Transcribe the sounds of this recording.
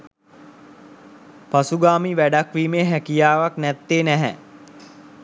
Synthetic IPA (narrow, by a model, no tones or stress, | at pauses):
pasuɡaːmiʋæɖakʋiːmeːɦækijaːʋaknɛt̪ːeːnɛɦɛ